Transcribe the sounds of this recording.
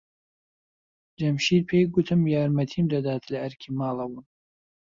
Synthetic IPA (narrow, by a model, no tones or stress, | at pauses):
d͡ʒɐmʃiːd̪̚pʰejɡʊt̪ʰɨmjaːɾmɐt̪ʰiːmd̪ɐd̪aːt̪ʰlɐʔɐɾkʲʰiːmaːlˠɐwun